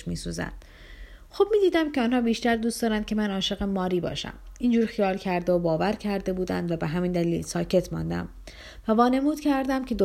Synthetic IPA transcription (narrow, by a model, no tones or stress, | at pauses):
ʃmiːsuzæ̰nd̪̥ | xob̥̚miːd̪iːd̪æmcʲʰe̞ɒːnhɒːbiːʃt̪æɾd̪uːstd̪ɒːɾænd̪̚cʰe̞mænɒːʃe̞ɣemɒːɾiːbɒ̰ːʃæ̰miːnd͡ʒuːɾxijɒːlcʰæɾd̪eobɒːvæɾcʰæɾd̪e̞buːd̪æ̰nd̪væbeɦæmiːnd̪ælilsɒːcʰe̞t̪ʰmɒ̰nd̪æ̰m | vævɒːne̞muːd̪cʰæɾd̪æmcʰʲe̞d̪o